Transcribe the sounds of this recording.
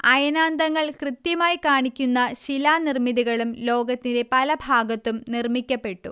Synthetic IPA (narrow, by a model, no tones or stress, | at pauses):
ɐjɐnaːnd̪ɐŋːɐɭkrɨt̪jɐmaːjikaːɳikʲːunːɐɕilaːnirmiðiɣɐɭumlo̞ːɡɐt̪ːinde̞pɐlɐbʱaːɡɐt̪ːumnirmikʲːɐpːe̞ʈːṵ